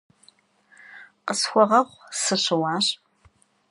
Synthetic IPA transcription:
qəsxʷɔʁɐχʷsɨɕɨwɑːɕ

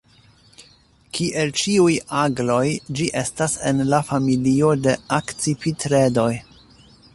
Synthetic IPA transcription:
kiʔelt͡ʃiujaɡlo̞jd͡ʒiʔe̞stase̞̰nlafamilio̞de̞akt͡sipitɾe̞do̞j

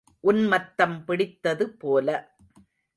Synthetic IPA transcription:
ʔʊnmɐt̪ːɐmpɪɽɪt̪ːɐðɯpoːlɐ

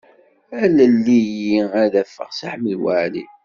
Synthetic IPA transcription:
ælælːijiæðæfːə̰ʁsaħməlwaʕlḭ

